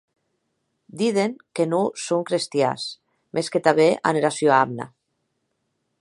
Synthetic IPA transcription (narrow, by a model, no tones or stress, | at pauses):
d̪iðeŋkenusoŋkɾest̪ja̰s | mʔesket̪aβeʔa̰neɾasjoamna̰